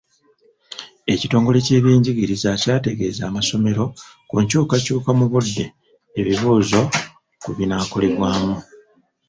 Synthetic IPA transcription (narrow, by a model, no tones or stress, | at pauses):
e̞cito̞ːŋɡo̞le̞ce̞ːβjiːɲɟiɡiɾizacaːte̞ɡe̞ːzaːmaso̞me̞ɾo̞ | kuɲcuːkacuːkamuβudːe̞ː | βiβuːzo̞ | kuβinaːko̞le̞βwaːmu